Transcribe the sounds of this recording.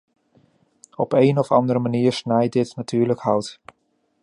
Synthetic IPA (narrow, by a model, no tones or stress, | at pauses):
ɔpejnɔfɑ̰ndəɾəmaniːɹsnɛjdɪtnatyːɹləkhɑwt